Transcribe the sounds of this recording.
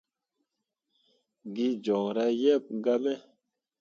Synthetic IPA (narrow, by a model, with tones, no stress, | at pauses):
ɡi˦d͡ʒɔ˨ŋɾa˦jɛ˦˨p̚ɡa˦me˦